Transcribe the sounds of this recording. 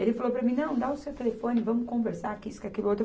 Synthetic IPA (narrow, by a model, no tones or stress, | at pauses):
elɪfalowpɾɐmĩnɐ̃w̃d̪aʊsewt̪elefõnɪvɐ̃mʊkõveɾsaɾakiiskakilʊowt̪ɾ